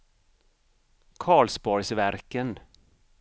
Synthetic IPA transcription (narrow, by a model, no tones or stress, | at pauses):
kʰɑːɭsbɔjsvæɾkən